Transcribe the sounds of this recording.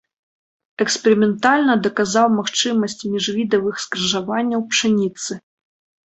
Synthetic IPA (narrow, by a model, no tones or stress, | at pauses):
ɛkspɛɾimʲɛnt̪alʲnɐd̪ɐkazawmaxt͡ʂɨmɐsʲt͡sʲmʲiʐvʲid̪ɐvɨxskɾɐʐavanʲːɐwpʂɨnʲit̪sɨ